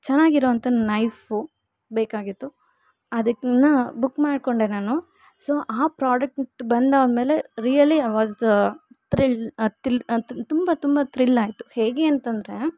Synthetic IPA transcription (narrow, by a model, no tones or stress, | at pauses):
t͡ʃɛnːaːɡiɾoːɐnt̪ɐnɐjfu | beːkaːɡit̪ːu | ɐd̪ɐknɐbukːmaːɖko̞ɳɖeːnaːnu | soːʔaːpɾaːɖɐk̚ʈbɐnd̪aːʋd̪me̞ːle̞ɾijɐliɐʋaːz | t̪ɾilt̪ilt̪umbɐt̪umbɐt̪ɾilːaːjt̪u̥heːɡe̞ːɐnt̪ɐnd̪ɾe̞